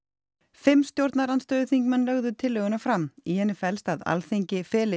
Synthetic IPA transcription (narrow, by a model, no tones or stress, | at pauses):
fɪmːst̪jowɾt̪naɾanst̪œːðʏθiŋkmanlœɣðʏt̪ʰɪlːœːɣʏnafɾamihɛnːɪfɛlst̪aða̰lθeɲcɪfɛːlɪ